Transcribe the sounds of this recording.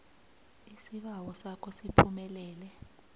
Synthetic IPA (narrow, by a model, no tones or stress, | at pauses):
isiɓawɔsakʰɔsipʰumɛlɛːlɛ